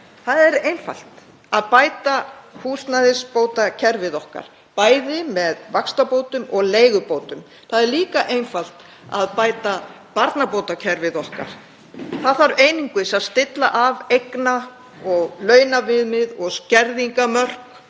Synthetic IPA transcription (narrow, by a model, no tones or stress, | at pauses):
θaðɛɾejnfa̰l̥t̪ | aðpaːjt̪ahuːst̪naðɪspoːwt̪acʰɛɾvɪðɔhka̰ɾ̥ | paːjðɪmɛðvakst̪apoːwt̪ʏmɔɣleːjɣʏpowt̪ʏm | θaðɛɾliːkaʔejnfal̥t̪ | a̰ðpaːjt̪a | paɾt̪napoːwt̪acʰɛɾvɪðɔhka̰ɾ̥ | θaðaɾeːjniŋkʏsaðst̪ɪt̪la̰ʔavejkna | ɔɣlœːɥnavɪðmɪðɔɣscɛɾðiŋkamœr̥k